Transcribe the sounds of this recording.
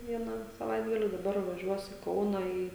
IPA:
ˈʋʲiɛnɑː sɐˈʋɐɪdɡɐlʲɪ dɐˈbɐr ʋɐˈʒʲuɔs ɪ ˈkɐʊnɐ ˈiː

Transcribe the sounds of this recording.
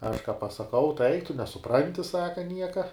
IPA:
ɐʃ kɑː pɐsɐˈkɐʊ tɐɪ ˈɐɪk tʊ nʲɛsʊˈprɐnʲtʲɪ ˈsɑːkɐ ˈnʲiɛkɐ

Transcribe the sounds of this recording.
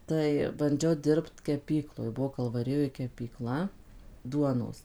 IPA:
ˈtɐɪ bɐnʲˈd͡ʒʲɛʊ ˈdʲɪrpt kʲɛˈpʲiːklˠoːj ˈbʊʋoː kɐlˠʋɐˈrʲɪjoːj kʲɛpʲiːˈklˠɐ ˈduɔnoːs

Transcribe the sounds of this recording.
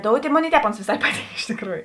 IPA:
ˈdoːʊtʲeː ˈmoːˌnʲeːɪ ɪ ˈtʲɛːp ˈoːns ʋʲeːˈsɐɪ ˈpɑːˌtʲiːŋk ɪʃ tʲɪkˈruːjʊ

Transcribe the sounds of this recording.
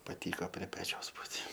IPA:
pɐˈtʲiːkoː pʲrʲiɛ ˈpʲæːt͡ʃʲɛʊs ˈbuːtʲ

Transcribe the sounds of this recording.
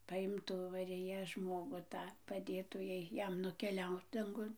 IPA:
pɐˈɪmtuː mɐrʲɪˈjɛ ˈʒmoːɡʊ ˈtɑː pɐˈdʲeːtuː ˈjɛɪ ˈjɛm nʊkʲɛˈlʲɛʊt dɐŋˈɡʊn

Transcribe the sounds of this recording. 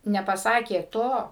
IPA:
nʲɛpɐˈsɑːkʲeː ˈtoː

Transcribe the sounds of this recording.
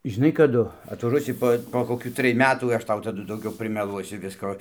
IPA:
ʒʲɪˈnɐɪ kɐˈdʊ ɐtʋɐˈʒuɔsʲɪ poː poː koːˈkʲuː ˈtʲrʲɪj ˈmʲæːtuː ˈɐʃ ˈtɐʊ tɐˈdʊ dɐʊˈɡʲɛʊ pʲrʲɪmʲɛˈlˠuɔsʲʊ ˈʋʲɪskoː

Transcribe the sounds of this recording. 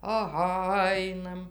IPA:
ɐˈɣɐ ˈɐɪnɐm

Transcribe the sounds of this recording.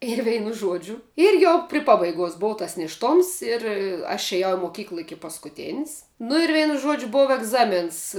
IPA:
ɪr ˈʋʲɛɪnʊ ˈʒuɔd͡ʒʲʊ ɪr ˈjɛʊ pʲrʲɪ ˈpɑːbɐɪɡuɔs ˈboːʋɐ tɐs nʲeːʃˈtoːms ɪr ɐʃ ɛˈjɛʊ moːˈkʲiːklˠɐ ˈɪkʲɪ pɐskʊˈtʲeːns nʊ ɪr ˈʋʲɛɪnʊ ˈʒuɔd͡ʒʲʊ ˈboːʋɐ ɛɡˈzɑːmʲeːns

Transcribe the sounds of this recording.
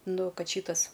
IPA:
ˈnʊ ˈkɐt ˈʃʲiːtɐs

